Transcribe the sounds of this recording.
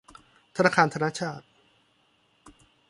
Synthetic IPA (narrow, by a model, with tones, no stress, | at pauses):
t̪ʰa˧naː˧kʰaː˧nt̪ʰa˧naː˥˨t͡ɕʰaː˥˩t̪̚